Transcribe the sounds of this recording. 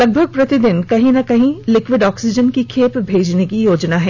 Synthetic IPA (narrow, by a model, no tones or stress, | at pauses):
lɐɡ̚bʱəɡ̚pɾɐt̪ɪd̪ɪnkɐɦĩnɐkɐɦĩlɪkʋɪɖɔːksɪd͡ʒənkikʰeːpbʱeːd͡ʒnekijoːd͡ʒnaɦɛː